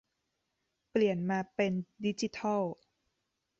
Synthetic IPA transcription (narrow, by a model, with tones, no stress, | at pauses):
pli˨˩ənmaː˧pe˧ndi˦˥t͡ɕi˧˦t̪ʰɔ˥˩w